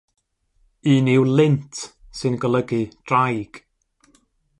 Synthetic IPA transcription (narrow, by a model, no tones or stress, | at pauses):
ɨːnɪwlˠɪntʰsɨnɡəlˠəɡɨd̥rajɡ̥